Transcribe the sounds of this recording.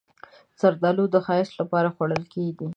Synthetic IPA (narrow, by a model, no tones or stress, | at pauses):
saɾd̪ɑlod̪əxɑɪslapɑɾaxwaɽəlkeɡi